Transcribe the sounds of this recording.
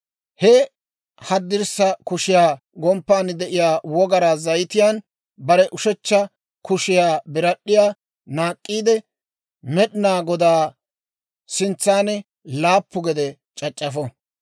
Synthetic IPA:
hɛ | hɐd̪ːɪɾsɐkʊʃɪjaː | ɡɔmpːaːnd̪ɛʔɪjaːwɔɡɐɾaːzɐjt̪ɪjaːn | bɐɾɛʔʊʃɛt͡ʃːɐ | kʊʃɪjaːbɪɾɐɗːɪjaː | naːkʼːiːd̪ɛ | mɛɗɪnaːɡɔd̪aː | sɪnt͡sːaːnɛ | laːpːʊɡɛd̪ɛ | t͡ʃʼɐt͡ʃʼːɐfɔ

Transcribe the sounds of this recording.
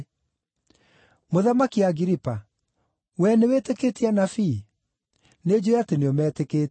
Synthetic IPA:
moðamakiaɣiɾipa | wɛneweteketianafi | ned͡ʑoateneɔmɛːteke

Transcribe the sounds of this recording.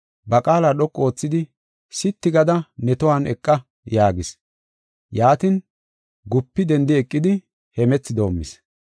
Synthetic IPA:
bɐkʼaːlaɗɔkʼːo̞ːt͡sːɪd̪ɪ | sɪt̪ːɪɡɐd̪ɐnɛt̪ɔwanɛkʼːɐ | jaːɡɪs | jaːt̪ɪn | ɡʊpːɪd̪ɛnd̪ɪɛkʼːɪd̪ɪ | hɛmɛt͡sːɪd̪o̞ːmːɪ̰s

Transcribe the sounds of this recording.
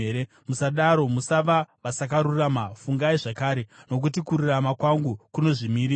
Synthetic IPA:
eɾe | musaɗaɾo̞musaʋaʋasak̬aɾuramafuŋɡaiʐakaːɾe̞no̞k̬ut̬ikururamakwaŋɡukuno̞ʐimiɾiː

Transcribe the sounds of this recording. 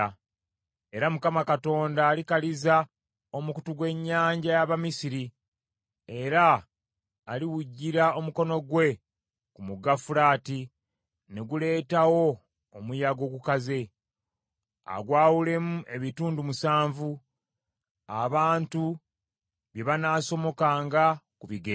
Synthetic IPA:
e̞ɾamukamakato̞ːndaːlikaliza | o̞mukutuɡwe̞ɲːaːɲɟajaβamisiɾi | e̞ɾaː | liwuɟːiɾao̞muko̞no̞ɡwe̞ | kumuɡafulaːti | ne̞ɡule̞ːtawo̞ː | mujaɡo̞ɡukaze̞ | a̰ɡwaːwule̞muʔe̞βituːndumusaːɱvu | aβaːntu | βje̞βanaːso̞mo̞kaːŋɡakuβiɡe

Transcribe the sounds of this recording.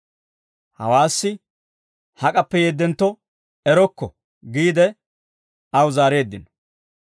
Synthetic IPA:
hɐ̰waːsːɪ | hɐkʼɐpːɛjeːd̪ːɛnt̪ːɔ | ɛɾɔkːɔ | ɡiːd̪ɛ | ɐwʊzaːɾe̞ːd̪ːɪnɔ̥

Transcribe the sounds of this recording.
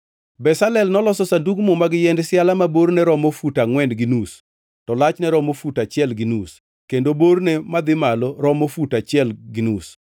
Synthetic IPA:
bɛsalɛlnɔlɔsɔsaduɡmomaɡɪjɛndsjalamaboɾnɛɾɔmofutaŋwɛndɡɪnus | tɔlat͡ʃnɛɾɔmofutat͡ʃɪɛlɡinus | kendoboɾnemad̪ɪmaloɾɔmofutat͡ʃɪɛlɡɪnus

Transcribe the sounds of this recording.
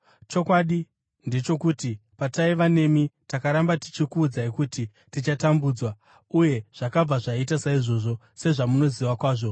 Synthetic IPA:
t͡ʃo̞kwaɗi | nde̞t͡ʃo̞kuːtipataiʋane̞mitakaɾambati̥t͡ʃikuːd͡zaikuti | tit͡ʃatambuːd͡zwa | uje̞ʐ̥akab͡vaʐait̬asaiʐo̞ːʐo̞ | se̞ʐamuno̞ziwakwaːʐo̞

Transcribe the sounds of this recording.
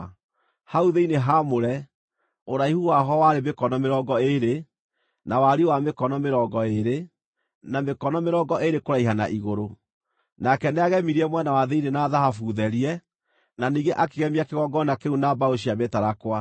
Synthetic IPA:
hauðeineɦamoɾɛ | oɾaihuwaɦɔwaɾemekɔnɔmeɾɔɡɔeɾe | nawaɾiwamekɔnɔmeɾɔɡɔeɾe | namekɔnɔmeɾɔɡɔʔeɾekoɾaiɦana̰ʔiɣoɾo | nakɛneaɣɛmiɾiɛmwɛnawaðeinenaːðahafuðɛɾiɛ | naniːɡeʔakeɣɛmiakeɣɔɡɔnakeunabaoɕ̬iametaɾakwa

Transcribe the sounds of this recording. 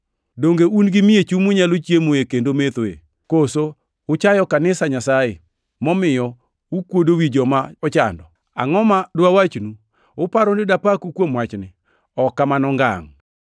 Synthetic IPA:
doŋɡeunɡɪmiet͡ʃumuɲalot͡ʃjemoekendomet̪oḛ | koso | ʊt͡ʃajɔkanɪsaɲasaje | mɔmɪjɔ | ukwodowid͡ʒɔmaɔt͡ʃa̰ndɔ | a̰ŋɔmadwawat͡ʃnu | ʊpaɾonɪdapakukwomwat͡ʃnɪ | ɔkːamanɔŋɡa̰ŋ

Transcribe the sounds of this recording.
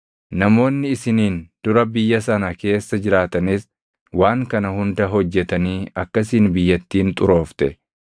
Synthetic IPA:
nɐmo̞ːnːɪɪsɪniːnd̪̥ʊɾɐbɪjːɐsɐnɐke̞ːsːɐd͡ʒɪɾaːt̪ɐnɪs | waːŋkɐnɐɦʊnd̪ɐɦɔd͡ʒːɛt̪ɐniːɐkːɐsiːnbɪjːɐt̪ːiːnt̪ʼʊɾo̞ːft̪ɛ

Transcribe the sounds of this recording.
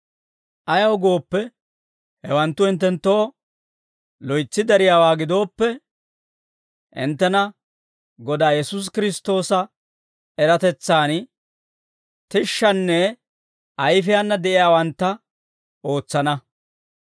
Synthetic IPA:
ʔɐjɐwɡo̞ːpːɛ | hɛwɐnt̪ːʊɪnt̪ːɛnt̪ːo̞ː | lɔjt͡sːɪd̪ɐɾɪjaːwaːɡɪd̪o̞ːpːɛ | ʔɪ̰nt̪ːɛnɐ | ɡɔd̪aːjɛsus̬kɪɾɪst̪o̞ːsɐ | ɛɾɐt̪ɛt͡sːaːn | t̪ɪʃːɐnːɛ | ʔɐjfɪjanːɐd̪ɛʔɪjaːwɐnt̪ːɐ | ʔo̞ːt͡sːɐnɐ

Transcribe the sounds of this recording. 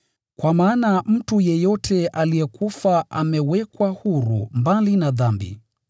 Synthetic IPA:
kwamaːnam̩tujɛjɔtʰɛʔalijɛkufaʔa̰mɛwɛkwahuɾṵmbalinaðambḭ

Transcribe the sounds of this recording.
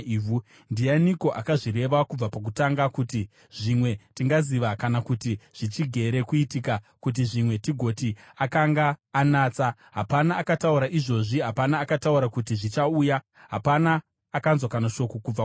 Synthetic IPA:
u | ndijaniko̞ʔakaʐire̞ʋakub͡vapak̬utaŋɡakuti | ʐ̥imwe̞tiŋɡaziʋakanakutiʐ̥it͡ʃiɡʱe̞ɾe̞kuitika | kut̬iʐimwe̞tiɡʱo̞tiakaŋɡaːnaːt͡sa | ɦapanaːkatauɾaʔiʐo̞ʐiɦapanaːkatauɾakutiʐit͡ʃauːja | ɦapanaː | kanzwakanaʃo̞kokub͡va

